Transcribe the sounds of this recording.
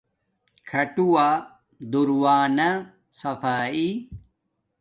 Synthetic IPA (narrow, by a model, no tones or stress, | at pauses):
kʰɐʈuaː | d̪uɾwaːna | sɐfaːi